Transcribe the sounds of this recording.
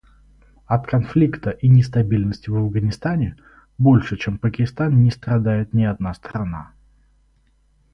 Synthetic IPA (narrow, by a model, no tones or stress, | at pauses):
ɐt̪kɐnflʲikt̪əʔinʲɪs̬t̪ɐbʲilʲnəsʲtʲɪvɐvɡənʲɪst̪anʲɪ | bo̞lʲʂɨt͡ɕempəkʲɪst̪annʲɪst̪ɾɐd̪ajɪt̪nʲɪɐd̪̚nast̪ɾɐna̰